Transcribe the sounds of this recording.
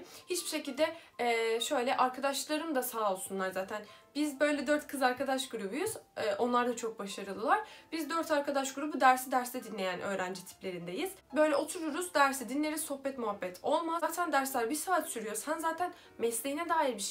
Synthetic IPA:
hit͡ʃbiʃe̞cilʲd̪ɛ | ɛːʃø̞jlʲɛʔaɾkʰad̪aʃlˠaɾɯmd̪asaːo̞lˠsunlˠaɾzaːt̪ʰænbizbø̞jlʲɛd̪øɾt̪kʰɯzaɾkad̪aʃɡuɾubujuz̥ɛːʔo̞nlˠaɾd̪at͡ʃʰo̞k̚baʃaɾɯlˠɯlˠaɾ̥b̥izd̪ø̞ɾt̪ʰaɾkʰad̪aʃɡuɾubud̪æɾsid̪æɾsd̪ɛd̪inlʲe̞jænʔø̞ːɾænd͡ʒit̪ʰi̥plʲe̞ɾind̪e̞jiz̥bø̞jlʲɛo̞t̪ʰuɾuɾuz̥d̪æɾsɛd̪inlʲeɾizso̞hbɛt̪muɦabːɛt̪ʰo̞lˠmaaːt̪ʰænd̪æɾslʲæɾbisaːt̪syɾyjo̞ɾzhænzaːt̪ʰæn | mɛslʲeɦinɛd̪aːjiɾbiʃ

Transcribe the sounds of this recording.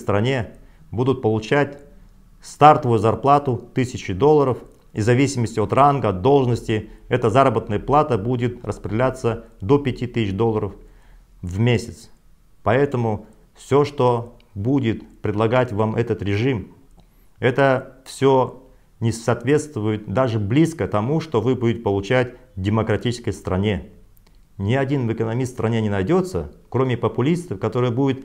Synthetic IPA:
st̪ɾɐnʲe̞ | bud̪ʊt̪̚pəlˠʊt͡ɕætʲ | st̪art̪əvʊjʊzɐrplˠat̪ʊt̪ɨsʲɪt͡ɕɪd̪o̞lˠːəɾəf | ḭzɐvʲisʲɪməsʲtʲɪot̪ranɡəɐd̪d̪ːo̞lˠʐnəsʲtʲɪɛt̪əzaɾəbət̪nəjəplˠat̪əbudʲɪt̪rəspɾʲɪɪlʲat̪səd̪opʲɪtʲit̪ɨsʲt͡ɕd̪o̞lˠːəɾəf | vmʲesʲɪt̪s | pɐɛt̪əmʊ | fsʲoʂt̪o̞ | budʲɪt̪pɾʲɪd̪lˠɐɡatʲvamʔɛt̪ət̪ɾʲɪʐɨm | ɛt̪əfsʲo | nʲɪsɐt̪vʲe̞t̪st̪vʊjɪt̪̚d̪aʐɨblʲiskət̪ɐmuʂt̪o̞vɨbudʲɪtʲɪpəlˠʊt͡ɕætʲdʲɪməkɾɐtʲit͡ɕɪskəjst̪ɾɐnʲe̞ | nʲɪɐdʲinvɨkənɐmʲist̪st̪ɾʔɐnʲenʲɪnɐjdʲo̞t̪sə̰kɾo̞mʲɪpəpʊlʲist̪əfkɐt̪o̞ɾɨjəbudʲɪt̪

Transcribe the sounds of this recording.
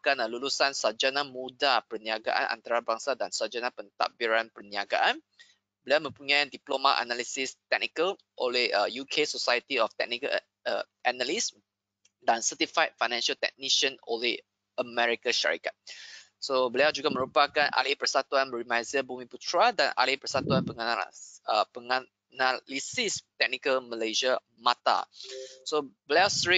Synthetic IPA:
kãnalulusãnsad͡ʒanamudapəniaɡa̰ʔã̰nã̰nt̪aɾabaŋsadãnsad͡ʒanapənt̪a̰k̚biɾãnpərniaɡa̰ʔãn | bəliawmə̃mpuɲãjdiplomaʔa̰nalisist̪ɛk̚nikəl | ʔoleəjukʰesosajət̪iɔft̪ɛ̰k̚nikə | əʔanalis | dãnsətifajt̚fajnɛ̃nʃəlt̪ɛ̰k̚niʃə̃no̰le | əmɛɹikəʃa̰ɹḭkat̚ | sobəlad͡ʒuɡaməɾupakãna̰lipɹəsat̪uãnɹimajzəbumiputʰɹadã̰na̰lipɹəsatuãnpəŋanaəpəŋa | nalisist̪ɛk̚nikəlməleʒa | mata̰sobəleasɹi

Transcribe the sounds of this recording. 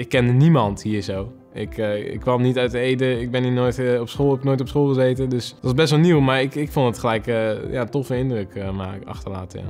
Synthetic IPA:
ɪkːɛndənimɑnthiːəɹzow | ɪ̰kɪ̰kʰːʋɑmnitœɥtətejdəɪɡ̚bɛninojtɔpsχoːlˠɛbɪknoːjtɔpsχoːlˠχəzejtədøsdəʋɑsbɛstʋɔlˠniwmaɹɪkɪkfondətχəlɛjkjatɔfəɪndrøkma̰ːɑ̰xtəla̰ːtja̰

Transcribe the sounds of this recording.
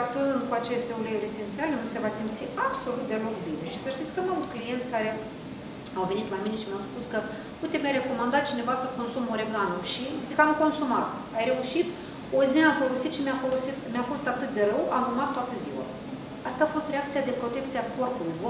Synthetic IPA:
akt̪sionɨnd̪kuat͡ʃe̞st̪euleuɾʲe̞se̞nt̪sialenuse̞vasimt̪siabso̞lut̪̚d̪e̞ɾo̞kbine̞ʃisəʃt̪it̪sʲkəamavut̪klijent̪sʲkaɾe̞ | awve̞nit̪lamine̞ʃimjawspuskə | ujt̪e̞mjajɾe̞ko̞mand̪at̪̚t͡ʃine̞vasəko̞nsumoɾeɡanuʃizikamko̞nsumat̪ | ajɾe̞uʃit̪ | oziamfo̞lo̞sit̪ʃimʲafo̞lo̞sit̪mʲjafo̞st̪at̪ɨt̪̚d̪e̞ɾəwa̰mumat̪ːoat̪əziwa̰ | ast̪aːfo̞st̪reakt̪sijad̪e̞pɾo̞t̪e̞k̚t̪siako̞rpulujvo

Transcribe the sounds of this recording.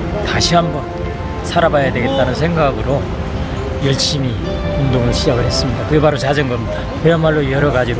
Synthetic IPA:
taɕʰiɦambʌn | sʰaɾabajade̞ɡe̞t̚t͈anɯnsʰe̞ŋɡaɡɯɾo | jʌɭɕ͈imi | oŋdoŋɯɭɕʰid͡ʑaɡɯɭhes͈ɯmɲidakɯebaɾot͡ɕad͡ʑʌŋɡʌmɲid̥a | keamaɭːojʌɾʌɡad͡ʑiɾo

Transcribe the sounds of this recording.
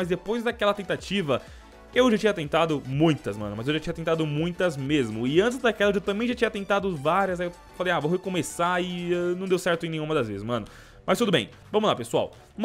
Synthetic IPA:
mɐzd̪epojzd̪akɛlɐt̪ẽnt̪at͡ʃivɐ | ewʒat͡ʃĩɲɐt̪ẽnt̪ad̪ʊmũj̃t̪ɐsmɐ̰̃nʊmɐzewʒat͡ʃiɲɐt̪ẽnt̪ad̪ʊmũj̃t̪ɐzmezmʊɪɐ̃nt͡ʃɪzd̪akɛlɐewt̪ɐ̃bẽj̃ʒat͡ʃĩɲɐt̪ẽnt̪ad̪ʊvaɾiɐzajew | falejavowhjkõmesaɪɛnɐ̃d̪ewsɛɾt̪ʊẽnẽj̃umɐd̪ɐzvezɪsmɐ̃nʊ | mɐst̪ud̪ʊbẽj̃ | vɐ̃mʊlapesua̰w | m

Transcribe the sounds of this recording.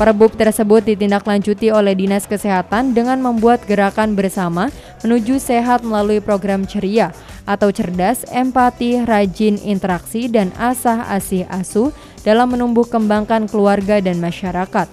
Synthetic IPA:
pəɾəbʊp̚t̪ərsəbʊt̪̚dit̪indaklaɲd͡ʒut̪iolɛhdinaskəseɦat̪andəŋanməmbuat̪̚ɡəɾakanbərsama | mənud͡ʒuseɦat̪̚məlaluipɾoɡɾamt͡ʃəɾiaʔat̪awt͡ʃərdasɛmpat̪irad͡ʒɪnḭnt̪əɾaksidanasaha̰sɪha̰su | d̥alamːənumbʊhkəmbaŋkankəluarɡadanmaʃaɾakat̪̚

